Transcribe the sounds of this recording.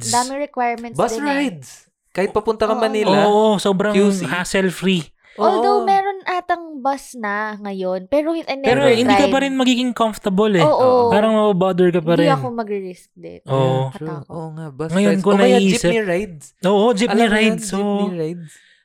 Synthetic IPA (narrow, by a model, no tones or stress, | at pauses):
sd̪aːmɪŋɾɛkwajɹmɛnbɐɹajd̪s | kaːhɪt̪̚pɐpʊnt̪ɐkɐmɐniloːʔoso̞ːbɾɐŋhaːsɛlfɾi | ʔwɐld̪owmɛɾonʔaːt̪ɐŋbɐsnɐŋɐjonpɛːɾoɐnpɛːɾohɪnd̪iːkɐpɐɾɪnmɐɡiːɡɪŋkomft̪ɐbɐlɛoːʔopaːɾɐŋmɐbɐbad̪ɛɹkɐp̬ɐɾɛɐkomɐɡɾɪɾɪsk̚d̪ɛ̰ʔoːʔoaoŋabŋɐjonkonɐiʔiːsɪɾajd̪̚ | ʔo̞ːʔod͡ʒiniɾajd̪ssojd̪